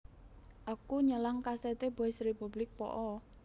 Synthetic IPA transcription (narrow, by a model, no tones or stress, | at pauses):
ʔakuɲəlaŋkasɛt̪eb̥aɪsrepublɪk̚pɔ̰ʔɔ